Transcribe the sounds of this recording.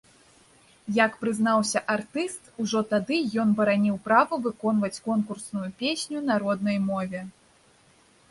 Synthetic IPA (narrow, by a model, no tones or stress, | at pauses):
jɐkpɾɨznawsʲɐʔart̪ɨst̪uʐɔt̪ad̪ɨjɔnbɐɾanʲiwpɾavɐvɨkɔnvɐt͡sʲkɔnkursnujupʲesʲnʲunaɾɔd̪̚nɐjmɔvʲɛ